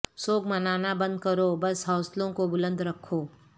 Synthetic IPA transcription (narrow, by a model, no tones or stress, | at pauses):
soːɡmɐnaːnabɐ̃nd̪̚kɐɾobɐsɦɔːslõkobʊlə̃nd̪ʱɾɐkʰːoː